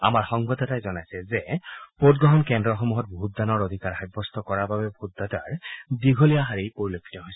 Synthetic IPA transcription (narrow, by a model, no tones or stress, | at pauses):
a̰maɹxɔŋbadɔtajzɔnajsɛzɛpot̚ɡɹɔɦɔnkɛndɹɔxɔmuɦɔt̚boɦut̚danɔɹod̪ʱikaɹxajbʱɔstɔkɔɹababɛbʱutdataɹdiɡʱolijaɦaɹijpoɹilokʰi̥tɔɦojsɛ